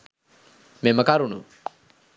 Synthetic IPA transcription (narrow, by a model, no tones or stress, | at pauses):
meməkaɾunṵ